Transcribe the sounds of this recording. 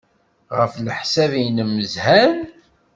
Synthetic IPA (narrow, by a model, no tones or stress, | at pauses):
ʁəfləħsævinəmːəzhæn